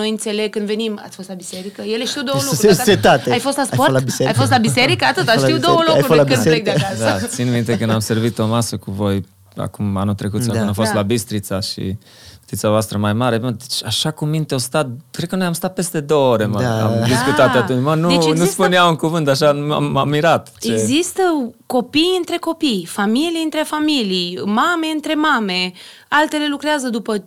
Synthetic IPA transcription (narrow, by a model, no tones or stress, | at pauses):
no̞jɨnt̪se̞leɡ̚kɨnd̪ve̞nima̰t̪sʲfost̪labiseɾikəjeleʃt̪iwd̪owəlukɾset̪at̪eajfost̪laspolbieajfost̪labiseɾikəat̪ɨt̪aʃt̪iuwd̪owəloajɾolaed̪d̪at̪sinmint̪e̞kɨnd̪amse̞rvit̪o̞masəkuvo̞j | a̰kumanut̪ɾe̞kut̪sakɨnafo̞st̪labist̪ɾit̪saʃḭ | u̥t̪it̪savoast̪ɾəmajmaɾe̞bd̪et͡ʃaʃakumint̪eost̪at̪̚kɾekənojamst̪at̪̚pe̞st̪e̞d̪o̞ooɾe̞məa̰md̪iskut̪at̪at̪umənunuspuneauŋkuvɨnt̪aʃana̰mamːiɾat̪t͡ʃeeɡzist̪əko̞pijɨnt̪ɾe̞ko̞pijfamilijɨnt̪ɾe̞familijmame̞ɨnt̪ɾe̞mame̞ | alt̪e̞le̞lukɾeazəd̪upə